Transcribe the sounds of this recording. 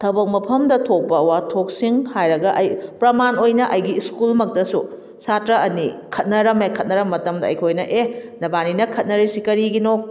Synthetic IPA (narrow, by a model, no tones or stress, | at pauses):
tʰɐbɐk̚mɐpʰɐmdɐtʰok̚bɐːwatʰok̚siŋhajɾɐɡɐʔɐjpɾɐmanojnɐʔɐjɡiːskulmɐk̚tɐsu | satɾɐʔɐnikʰɐt̚nɐɾɐmekʰɐt̚nɐɾɐmːɐtɐmdɐ̰ːjkʰojnɐʔenɐbaninɐkʰɐt̚nɐɾisikɐɾiɡinok̚